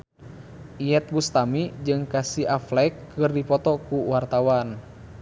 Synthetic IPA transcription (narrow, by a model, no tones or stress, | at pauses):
ʔiɛt̪̚bust̪amid͡ʒɨŋkasiaflɛkːɨrdipɔt̪ɔkuwart̪awan